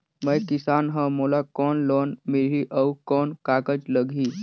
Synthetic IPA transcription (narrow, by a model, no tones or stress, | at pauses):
məjkisanɦəmolakɔnlɔnmiɭiʔəwkɔnkakət͡sləɡʱiː